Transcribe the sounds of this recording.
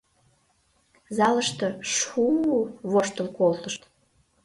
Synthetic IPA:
zɑləʃt̪ɤ̆ʃuβoʃt̪əlkolt̪əʃt̪

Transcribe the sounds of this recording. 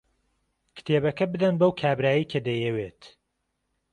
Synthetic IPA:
kʰɨ̥t̪ʰeːbɐkɐbɨd̪ɐnbɐwkʰaːbɾaːjikʰɐd̪ɐjewet̪

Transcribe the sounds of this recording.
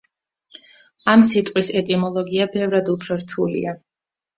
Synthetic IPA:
amsit̪ʼqʼwisɛt̪ʼimɔlˠɔɡiabɛvɾad̪upʰɾɔɾt̪ʰulḭa

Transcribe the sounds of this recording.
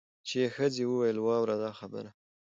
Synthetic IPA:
t͡ʃejexəd͡zewəwajəlwɑwɾad̪ɑxabə̰ɾa

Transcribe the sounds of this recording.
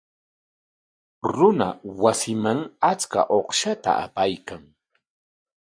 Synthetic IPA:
ɾʊna̰wasɪmaŋat͡ska̰ʔoχʃat̪a̰ʔa̰pajkaŋ

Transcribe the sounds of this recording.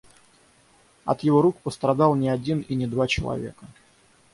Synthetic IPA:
ɐ̰t̪jɪvoɾukpəst̪ɾɐd̪ɑlˠnʲɪɐdʲininʲɪd̪vat͡ɕɪlˠɐ̰vʲe̞̰kə

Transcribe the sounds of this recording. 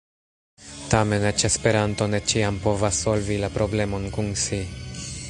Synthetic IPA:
t̪ame̞net͡ʃespe̞ɾant̪o̞net͡ʃiampo̞vasːo̞lvilapɾo̞ble̞mo̞nkunsi

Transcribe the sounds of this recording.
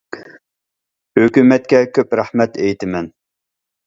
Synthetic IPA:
høkʲymɛt̪̚kʲɛkʲʰøpɾæhmɛt̪ʰɛjt̪ɪmɛn

